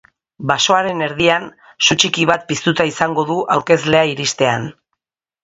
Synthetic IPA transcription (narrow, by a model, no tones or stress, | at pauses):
baso̞aɾe̞ne̞ɾðian | sut͡ʃikiβ̞at̪̚pist̪ut̪aisaŋɡo̞ðuʔawɾke̞zle̞aiɾist̪e̞an